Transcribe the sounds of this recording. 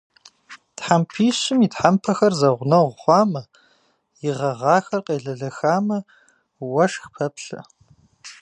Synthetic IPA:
tħampʰiːɕɪmitħampʰɐxɐrzɐʁʷnɐʁʷχʷɑːmɐ | jɪʁɐʁɑːxɐrqʼeːɮɐɮɐxaːmɐ | wɐʂxpʰɐpʰɬɐ̰

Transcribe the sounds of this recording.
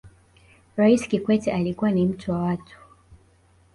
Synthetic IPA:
ɾaiskikwɛtɛʔalikuwanim̩tʰuwawatu̥

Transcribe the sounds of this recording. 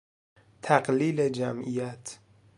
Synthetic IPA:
t̪ʰæqliːled͡ʒæmʔijæt̪ʰ

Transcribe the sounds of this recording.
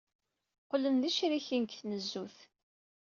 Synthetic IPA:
qlənðiʃɾiçinkθnəzːuθ

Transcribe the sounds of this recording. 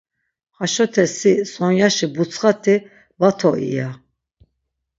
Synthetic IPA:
χaʃɔt̪ʰɛsisɔnjaʃibut͡sʰχat̪ʰi | vat̪ʰɔʔḭja

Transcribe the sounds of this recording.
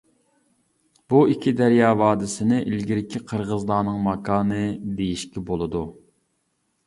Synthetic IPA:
b̥uikʲʰid̪æɾjɑːvɑːd̪ɪsɪnɪʔilɡʲiɾɪkʲʰiqʰəɾʁəzlˠɑːnɨŋmɑkʰɑːnɨd̪ejiʃkʲɛbolˠɨd̪u

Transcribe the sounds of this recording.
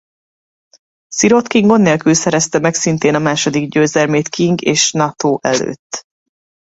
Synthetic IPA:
siɾo̞t̪kiŋɡo̞nːeːlkylsɛɾɛst̪ɛmɛksint̪eːnɒmaːʃo̞d̪iɡɟøːzɛlmeːt̪kiŋɡeːʃnɒt̪ʰoːʔɛ̰lø̰ːt̪ː

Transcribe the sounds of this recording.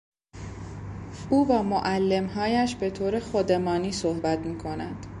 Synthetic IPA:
uːvæːmoʔælːe̞mɦɒːjæʃbe̞t̪ʰoːɾexod̪e̞mɒːniːsohbæt̪miːkʰo̞næ̰nd̪̥

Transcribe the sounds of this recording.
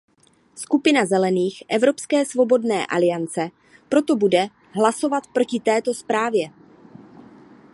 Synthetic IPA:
skupɪnazɛlɛniːxʔɛvɾo̞pskɛːsvo̞bo̞dnɛ̰ːʔa̰lɪjant͡sɛ | pɾo̞t̪o̞budɛ | ɦlaso̞vat̪pɾo̞cɪt̪ɛːt̪o̞spɾaːvjɛ

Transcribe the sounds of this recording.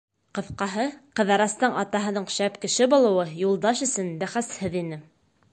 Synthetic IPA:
qɤ̆θqɑɦɤqɤ̆ðɑɾɑst̪ɤɴɑt̪ɑɦɤ̆nɤɴʃæpkɘ̆ʃɘbŭlˠɤ̆wɤjulˠd̪ɑʃɵ̆sɘnbæχæshɘðinɘ

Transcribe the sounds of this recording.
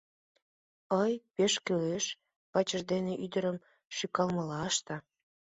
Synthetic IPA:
əjpeʃkøleʃ | pɑt͡ɕə̆ʒd̪eneʔyd̪əɾəm | ʃykɑlməlɑʃt̪ɑ

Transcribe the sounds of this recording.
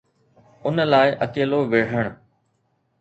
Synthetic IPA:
ʊnəlaːɪʔɐkeːloʋɪɽ̤əɽ̃

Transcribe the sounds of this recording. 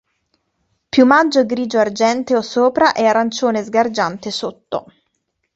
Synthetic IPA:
pjumad͡ʒːoɡɾiːd͡ʒoard͡ʒɛnt̪eosoːpɾaʔɛarːant͡ʃoːnezɡard͡ʒant̪esot̪ːo̰

